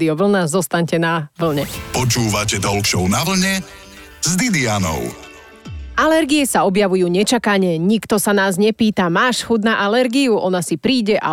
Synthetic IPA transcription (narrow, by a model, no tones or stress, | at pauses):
d̪iɔʋl̩nazɔst̪aɲcɛnaʋl̩ɲɛpɔt͡ʃuːʋacɛd̪ɔlkʃɔʊnaʋl̩ɲɛ | zd̪id̪ianɔ̰ʊ | alɛɾɡiɛsaɔbjaʋujuːɲɛt͡ʃakaɲɛɲikt̪ɔsanaːzɲɛpiːt̪amaːʃxud̪naʔalɛɾɡiuʔɔnasipɾiːɟɛʔa̰